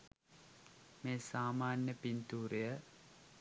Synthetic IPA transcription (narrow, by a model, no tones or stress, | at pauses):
meːsaːmaːnjəpint̪uːɾejə